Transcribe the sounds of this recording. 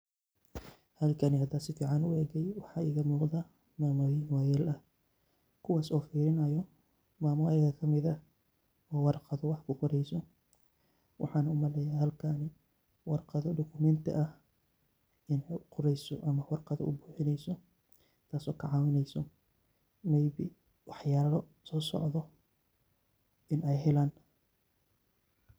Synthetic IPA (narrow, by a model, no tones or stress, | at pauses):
hɐlkʰɐnɪhɐd̪aːsɪfiːʕɑnʊɛːɣɛjwɑħɑːiːɣɐmuːqd̪ɐ | maːmɔjmwaːjaːlʔɐh | kʰʊwaːsɔːfiːɾɪnɐjɔ | maːmʊajɐɣɐkʰɐmɪðɐ | ɔːwɑrqɑðɔwɑħkʰʊqʊɾɛjsɔ | wʔɑ̰ħɑːnɐʊmɐlɛjaːhɐlkʰaːnɪ | wɑrqɑðɔɖɔkʰʊmɛnt̪ʰɪ̰ʔɐh | ʔɪnɛjqʰʊɾɛjsɔ̰ʔɐmɐwɑrqɑðɔ̰ʊbuːħɪnɛjsɔ | t̪ʰaːsɔ̰ːkʰɐʕɑːwɪnɛjsɔ | mɛjβḭː | wɑħjaːlɔ | sɔːsɔ̰ʕðɔ | ʔɪnɛjɦɛlaːn